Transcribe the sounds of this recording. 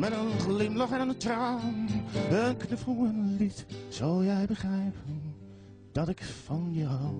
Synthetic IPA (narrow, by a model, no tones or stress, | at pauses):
mɛnanənχlɪmlɑχɛnanəntrawnənknəfruənlitz̥owlˠjɛjbəχrɛjpʰən | d̥ɑtɪkfɑnja